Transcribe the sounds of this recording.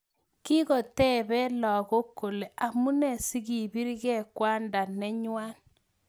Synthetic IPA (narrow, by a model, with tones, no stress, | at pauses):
ki˦ɣɔ˨tɛ˦bɛ˦lɔ˨ɣo˦kːo˨le˨ʔa˨mu˦nɛ˨si˦ɣi˨bi˦ɾɣɛ˦kwa˦nda˨nɛ˦ɲwa˦n